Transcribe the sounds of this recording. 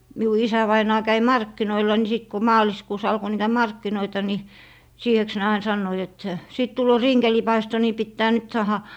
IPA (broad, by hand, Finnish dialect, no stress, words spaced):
miu isæʋɑinɑː kæi mɑrkːinoilɑ ni sit ko mɑːliskuːs ɑlko niːtæ mɑrkːinoitɑ ni siːheks ne ɑin sɑnːoit et siˑt tulːoː rinkelipɑisto ni pitːæː nyt sɑːhɑ